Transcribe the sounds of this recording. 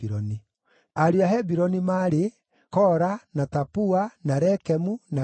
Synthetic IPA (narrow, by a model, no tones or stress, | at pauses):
iɾɔni | aɾeaɦɛbiɾɔnimaɾe | kɔɾanatapuanaɾɛkɛmuna